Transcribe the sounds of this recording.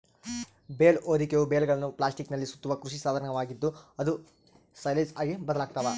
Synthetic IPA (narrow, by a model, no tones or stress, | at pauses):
beːloːɾikeʋubeːlɡɐɭɐnːuplaːsʈiknɐlːisu̥t̪ːuʋɐkɾuʂisaːd̪ɐɾɐɳɐʋaːɡid̪ːuɐd̪u | sɐjlɐnsaːɡibɐd̪ɐlaːɡ̚t̪aʋa